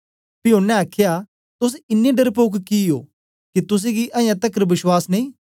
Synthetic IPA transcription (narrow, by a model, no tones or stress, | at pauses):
pɪoːnːɛ̃aːkʰɪja | t̪ʊs̬ɪnːẽɖɐɾpoːkkio̰ː | kit̪ʊs̬ẽɡiʔɐjãt̪ɐkɾbɪʃwaːsneĩː